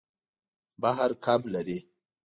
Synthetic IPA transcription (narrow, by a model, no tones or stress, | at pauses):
baɦaɾkʰablaɾe